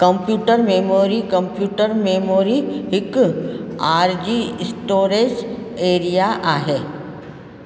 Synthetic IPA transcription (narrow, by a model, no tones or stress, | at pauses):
kəmpjuːʈəɾmemoɾikə̃mpjuːʈəɾmemoɾiɦɪk | aɾd͡ʑisʈoːɾed͡ʑeɾijaʔaɦe